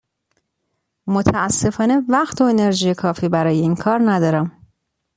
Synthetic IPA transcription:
mot̪ʰæːsːe̞fɒːne̞væɢt̪ʰo̞ene̞ɾʒiːjekʰɒːfiːbæɾɒːje̞iːnkʰɒːɾnæd̪ɒːɾæm

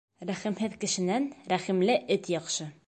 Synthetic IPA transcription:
ɾæχimɦɘðkɘ̆ʃɘ̆nænɾæχimlɘʔɘt̪jɒqʃɤ

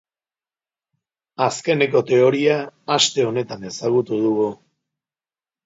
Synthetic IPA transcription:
aske̞neko̞t̪e̞o̞ɾiaːst̪e̞o̞ne̞t̪ane̞saɣ̞ut̪uð̞uɣu

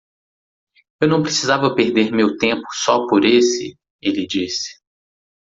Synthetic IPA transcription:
ewnɐ̃w̃pɾesizavɐpeɾd̪eɾmewt̪ẽpʊ̥sɔpoɾesɪ̰ | elɪd͡ʒisɪ̥

